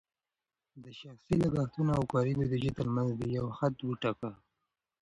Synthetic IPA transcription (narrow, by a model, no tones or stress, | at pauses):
d̪əʃaxsilaɡɑxt̪unoawkɑɾid̪od̪əʒet̪əɾmanzd̪əjawxat̪wuʈaka